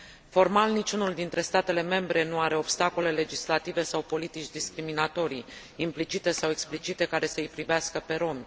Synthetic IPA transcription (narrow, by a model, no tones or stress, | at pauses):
fo̞rmalnit͡ʃunuld̪int̪ɾe̞st̪at̪e̞le̞me̞mbɾe̞nuaɾe̞o̞bst̪ako̞le̞le̞d͡ʒislat̪ive̞sawpo̞lit̪it͡ʃʲd̪iskɾiminat̪o̞ɾij | implit͡ʃit̪e̞sawe̞ksplit͡ʃit̪e̞kaɾe̞səɨjpɾiveaskəpe̞ɾo̞m